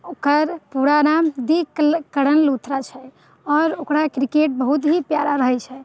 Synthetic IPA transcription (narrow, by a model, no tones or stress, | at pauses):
okəɾpuɾanamd̪ikəɽənlut̪ʰɾat͡ʃʰɛ | ɔːɾokɾakɾikeʈ̚bəɦut̪bʱipjaɾaɾəɦɛt͡ʃʰɛ